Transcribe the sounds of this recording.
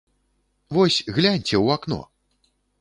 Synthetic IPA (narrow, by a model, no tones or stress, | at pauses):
vɔsʲɣlʲanʲt͡sʲɛwakn̪ɔ̰